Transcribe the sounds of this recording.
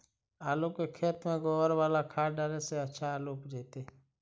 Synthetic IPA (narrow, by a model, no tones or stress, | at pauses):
aːlõːkeːkʰeːt̪mẽːɡoːʋəɾʋaːlaːkʰaːɖaːɾeseət͡ʃʰaːloːpd͡ʒeːt̪eː